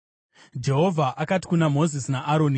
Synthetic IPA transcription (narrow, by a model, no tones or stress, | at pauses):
d͡ʒe̞ɦo̞vʱaʔakati̥kunamo̞zisnaʔaɾoni